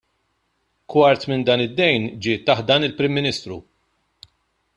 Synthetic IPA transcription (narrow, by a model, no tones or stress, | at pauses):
kwɐɾt̪mɪnd̪ɐːnɪd̪ːɛjnd͡ʒɪːt̪ːɐħt̪̚d̪ɐːnɪlpɾɪmːɪnɪːst̪ɾṵ